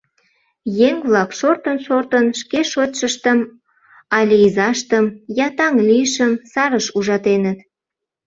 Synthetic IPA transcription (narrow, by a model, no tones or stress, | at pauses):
jeŋβlɑkʃort̪ənʃort̪ənʃkeʃot̪ʲʃəʃt̪əm | ɑlʲiizɑʃt̪əmjɑt̪ɑŋlijəʃəmsɑɾəʃuʒɑt̪enət̪